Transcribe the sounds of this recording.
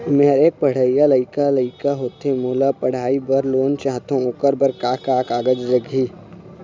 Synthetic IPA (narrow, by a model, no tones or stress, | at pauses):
meɦɾeːk̚pəɽ̤aijaləɪkaləɪkaɦoːt̪emoːlapəɽ̤aːibəɾloːnt͡ʃaːɦt̪õʊkəɾbəɾkaːkaːkaːɡəd͡ʒɾəɡʱiː